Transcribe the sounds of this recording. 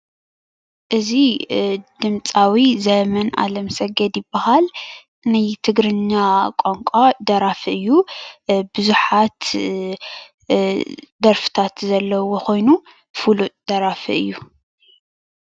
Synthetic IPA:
ʔɨzi | d̪ɨmt͡sʼawizɐmɐna̰lɐmsɐɡɐd̪jɪbɐhal | najt̪ʰɨɡɾɨɲːakʷʼoŋkʷʼad̪ɐɾafɨʔɨjːu | bɨzuħat̪ | d̪ɐɾfɨ̥t̪ʰat̪zɐlːɐwokʰo̞jnu | fulud̪̥ɐɾafiɨjːu

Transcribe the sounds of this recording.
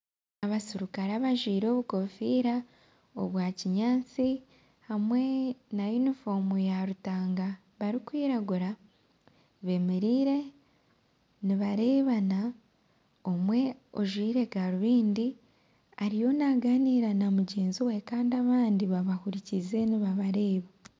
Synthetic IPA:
aβasiɾukaɾaβaʒwiːɾo̞ːβuko̞fiːɾa | oβwaːciɲaːt͡si | hamwe̞najunifo̞mujaɾutaːŋɡa | βaɾikwiːɾaɡuɾa | βe̞meɾiːɾe̞ | niβaɾe̞ːβana | o̞mwe̞oʒwiːɾe̞ɡaɾuβiːndi | aɾijo̞naɡaniːɾanamuɟe̞ːnziwe̞kaːndiaβaːndiβaβahuɾicize̞niβaβaɾe̞ːβa

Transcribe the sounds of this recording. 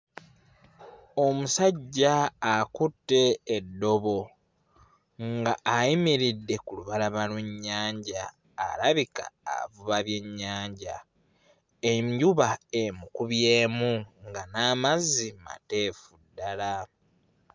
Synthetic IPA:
o̞musaɟːaːkutːe̞ːdːo̞βo̞ | ŋɡaʔːjimiɾidːe̞kuluβalaβalweɲːaːɲɟa̰ː | laβika̰ːvuβaβje̞ɲːaːɲɟa | eɲɟuβaemukuβjeːmuŋɡanaːmazima̰te̞ːfudːala

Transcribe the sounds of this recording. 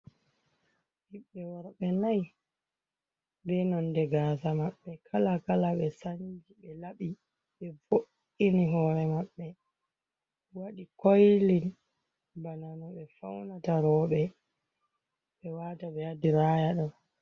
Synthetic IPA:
ʔiɓːɛwaɾɓɛnaj | bɛnɔndɛɡaːsamaɓːɛkʰalakalaɓɛsaɲd͡ʒiɓɛlaɓi | ɓɛvoʔ | iniɦɔɾɛmaɓːɛ | waɗikojlin | bananɔɓɛfawnataɾɔːɓɛ | ɓɛwaːtaɓɛadiɾaːjaɗɔn

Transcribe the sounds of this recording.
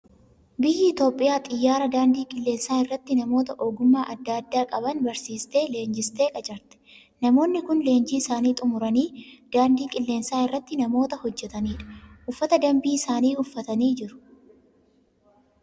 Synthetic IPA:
bɪjɪɪt̪o̞ːpʼːɪjaːt̪ʼɪjːaːɾɐd̪aːnd̪iːkʼɪlːe̞ːnsaːɪrːɐt̪ːɪnɐmo̞ːt̪ɐʔoːɡʊmːaːʔɐd̪ːaːd̪ːaːkʼɐbɐnbɐɾsiːst̪e̞ːle̞ːnd͡ʒɪst̪e̞ːkʼɐt͡ʃʼɐɾt̪ɛ̥ | nɐmo̞ːnːɪkʊnle̞ːnd͡ʒiːɪsaːniːt̪ʼʊmʊɾɐniːd̪̥aːnd̪iːkʼɪlːe̞ːnsaːɪrːɐt̪ːɪnɐmo̞ːt̪ɐhɔd͡ʒːɛt̪ɐniːᶑɐ̥ʔʊfːɐt̪ɐd̪ɐmbiːɪsaːniːʊfːɐt̪ɐniːd͡ʒɪɾʊ̥

